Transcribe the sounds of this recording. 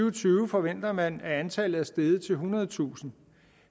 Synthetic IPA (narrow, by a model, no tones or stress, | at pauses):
ʊt͡sʰyːʊəfɒ̽ʋen̰d̥ɐmænæænt͡sʰælð̩ˠæsd̥eːð̞ˠət͡sʰe̝lɦunɐð̞ˠət͡sʰṵːsn̩